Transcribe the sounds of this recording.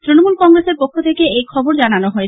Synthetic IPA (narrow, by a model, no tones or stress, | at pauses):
t̪ɾinomulkɔŋɾeseɾpokʰːot̪ʰekeejkʰɔboɾd͡ʑananoɦoe